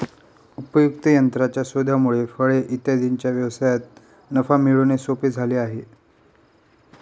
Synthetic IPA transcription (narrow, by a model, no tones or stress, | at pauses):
upəjukt̪əjənt̪ɾat͡ɕjasod̪ʱamuɭefəɭeʔit̪jad̪int͡ɕjaʋjəʋsajat̪̚ | nəfamiɭunesopiːd͡zʱaliːaɦe